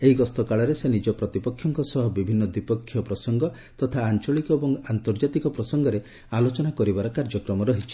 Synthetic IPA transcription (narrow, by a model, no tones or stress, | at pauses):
eɦiɡɔst̪ɔkaɭɔɾesenid͡ʒɔpɾɔt̪ipɔkʰːjɔŋkɔsɔɦɔbibʱinːɔd̪wipɔkʰːjɔpɾɔsɔŋɡɔ | t̪ɔt̪ʰaːnt͡ʃɔɭikɔebɔŋant̪ɔɾd͡ʒat̪ikɔpɾɔsɔŋɡɔɾe | alot͡ʃɔnakɔɾibaɾɔkaɾd͡ʒɔkɾɔmɔɾɔɦit͡ʃʰi̥